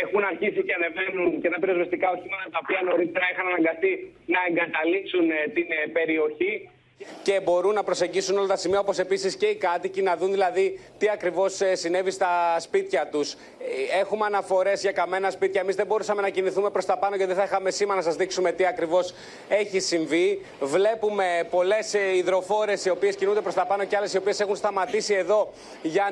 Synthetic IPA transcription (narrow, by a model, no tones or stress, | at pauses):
exunɐɾçisiceɐneve̞nuncet̪ɐpiɾozvest̪ikɐoçimɐt̪ɐt̪ɐopiɐno̞ɾit̪eɾɐexɐnɐnɐŋɡɐst̪inɐe̞ŋɡɐt̪ɐlipsunt̪inpe̞ɾio̞çi | ce̞bo̞ɾunːɐpɾo̞se̞ɲɟisuno̞lɐt̪ɐsimiɐopo̞se̞pisisce̞ikɐt̪icinɐðunðilɐðit̪iɐkɾivo̞sesine̞vist̪ɐspit̪çɐt̪us | e̞xumeɐnɐfo̞ɾe̞zʝɐkɐme̞nɐspit̪çɐemizðebo̞ɾusɐme̞nɐciniθume̞pɾo̞st̪ɐpɐnoʝɐt̪iθɐixɐme̞simɐnɐsɐzðiksume̞t̪iɐkɾivo̞s | e̞çisiɱvi | vle̞pume̞po̞le̞siðɾo̞fo̞ɾe̞sio̞pie̞scinund̪epɾo̞st̪ɐpɐno̞ceɐle̞sio̞pie̞se̞xunst̪ɐmɐt̪isie̞ðo̞ | ʝɐ